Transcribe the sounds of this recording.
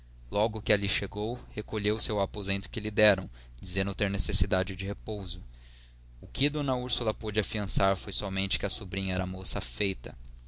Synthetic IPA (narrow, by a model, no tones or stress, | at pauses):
lɔɡʊkɪaliʃeɡowhekoʎewsewapozẽnt̪ʊ̥kɪlɪd̪ɛɾɐ̃w̃ | d͡ʒizẽnd̪ʊt̪eɾnesesid̪ad͡ʒɪd͡ʒɪhepowzʊ | ʊkʰɪd̪õnɐuɾsulɐpod͡ʒɪafiɐ̃saɾfojsɔmẽnt͡ʃɪ̥kɪɐsubɾĩɲɐɛɾɐmosɐfejt̪ɐ̰